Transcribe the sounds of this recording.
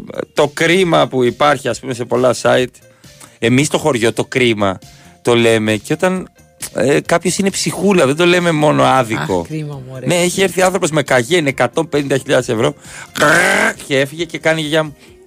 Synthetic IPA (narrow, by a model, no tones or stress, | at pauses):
t̪o̞kɾimɐpuipɐɾçiɐspume̞se̞po̞lɐsɐit̪ | e̞mist̪o̞xo̞ɾʝo̞t̪o̞kɾimɐt̪o̞le̞me̞ceo̞t̪ɐn | ekɐpço̞sine̞psixulɐðe̞nd̪o̞le̞me̞mo̞noɐðiko̞̰ne̞eçieɾθiɐnθɾo̞pozme̞kɐʝenekɐt̪o̞mpe̞nind̪ɐçiʎɐðe̞se̞vɾo̞ | cee̞fiʝe̞ce̞kɐniʝɐ